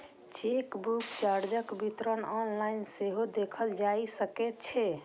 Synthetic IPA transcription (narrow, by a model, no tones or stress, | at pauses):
t͡ʃikbukt͡ʃaɾd͡ʒəkbit̪ɾənɔnlainseɦod̪ekʰəld͡ʒajsəkɛt̪̚t͡ʃʰɛ